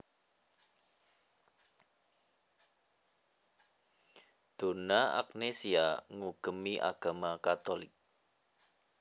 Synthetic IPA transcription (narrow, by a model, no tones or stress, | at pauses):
d̪̥o̤naʔa̰knesiaŋuɡ̥ə̤miʔa̰ɡ̥a̤makat̪olɪ̰k̚